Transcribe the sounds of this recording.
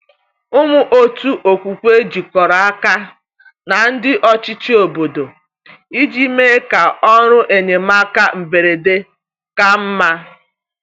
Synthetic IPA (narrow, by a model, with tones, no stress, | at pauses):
ʊ˦mʊ˦ʔo˦tu˦ʔo˨kʷu˨kʷe˦d͡ʒi˨kɔ˨ɾa˨a˦ka˦ | na˨n̩˦dɪ˦ʔɔ˦t͡ʃɪ˦t͡ʃi˦o˨bo˨do˨ | i˦d͡ʒi˦me˦ka˨ɔ˦ɾʊ˦ʔe˨ɲe˨ma˦ka˦m̩˨be˨ɾe˨de˦ | ka˦m̩˦ma˦